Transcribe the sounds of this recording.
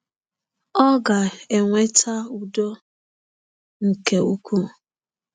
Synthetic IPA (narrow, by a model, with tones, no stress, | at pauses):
ɔ˦ɡa˨e˨ŋʷe˦tʰa˦u˨do˦ | ŋ̩˨ke˨u˦kʷu˦˨